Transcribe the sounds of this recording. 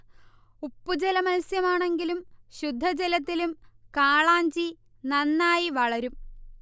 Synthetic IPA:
upːud͡ʑelɐmɐlsjɐmaːɳe̞ŋɡilumɕud̪ʱːɐd͡ʑelɐt̪ːilumkaːɭaːɲd͡ʑi | nɐnːaːjiʋɐɭɐɾum

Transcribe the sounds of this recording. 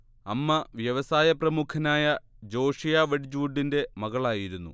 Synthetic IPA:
ɐ̰mːɐʋjɐʋɐsaːjɐprɐmukʰɐnaːjɐd͡ʑo̞ːʂijaːʋɐɽid͡ʑuːɖːinde̞mɐɣɐɭaːjiɾunːṵ

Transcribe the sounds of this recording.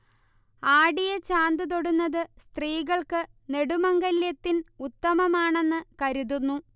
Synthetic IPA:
aːɽijɐt͡ɕaːnd̪ɨt̪o̞ɽunːɐðɨst̪riːɣɐɭkɨne̞ɽumɐŋɡɐljɐt̪ːinut̪ːɐmɐmaːɳe̞nːɨkɐɾuðunːu

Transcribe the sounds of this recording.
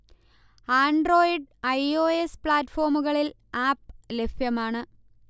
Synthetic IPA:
aːɳɖro̞ːjiɖɐjo̞ːespɭaːtːfo̞ːrmuɣɐɭil | aːp̚le̞fjɐmaːɳɨ

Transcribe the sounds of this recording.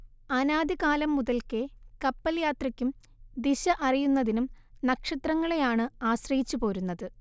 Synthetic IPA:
ɐnaːd̪iɣaːlɐmːuðɐlkekɐpːɐljaːt̪rɐkʲːum | d̪iɕɐʔɐrijunːɐðinum | nɐkʂɐt̪rɐŋːɐɭejaːɳɨaːɕrɐjit͡ɕːupo̞ːɾunːɐðɨ

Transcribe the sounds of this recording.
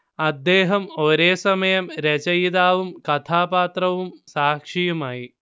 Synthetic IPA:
ɐd̪ːeːɦɐmoːɾeːsɐmɐjɐmɾet͡ʃɐjid̪aːʋumkɐt̪ʰaːpaːt̪ɾɐʋumsaːkʂijumaːji

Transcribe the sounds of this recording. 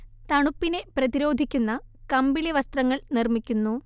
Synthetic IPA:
t̪ɐɳupːine̞prɐðiɾo̞ːd̪ʱikʲːunːɐkɐmbileʋɐst̪rɐŋːɐɭnirmikʲːunːu

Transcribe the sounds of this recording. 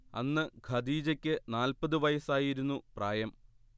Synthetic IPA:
ɐ̰nːɨɡʱɐd̪iːd͡ʑɐkʲːɨnaːlpɐðɨʋɐjɐsaːjiɾunːupraːjɐm

